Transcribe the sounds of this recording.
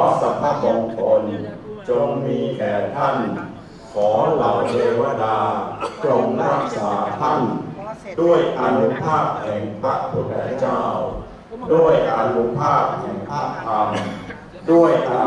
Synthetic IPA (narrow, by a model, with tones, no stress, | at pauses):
ɔː˨˦sa˨˦pʰa˧˥bɔː˧ŋkʰo˧nt͡ɕo˧ŋmiː˧kɛː˨˩t̪ʰa˥˩n | kʰɔː˩˦la˨˩˦wdeː˧wa˧daː˧k̪ɾo˧ŋɾa˦˥k̚saː˩˦t̪ʰa˥˩ndu˥˩əjʔa˧nu˦˥pʰaː˥˩p̚hɛː˨˩ŋpʰɾa˦˥ʔp̪ʰu˨˧˦t̪ʰɛː˨˦t͡ɕaː˧˩w | du˥˩əjʔa˧nu˦˥pʰaː˥˩p̚hɛː˨˩ŋpʰaː˥˩k̚p̪ʰaː˧m | du˥˩əjʔa˧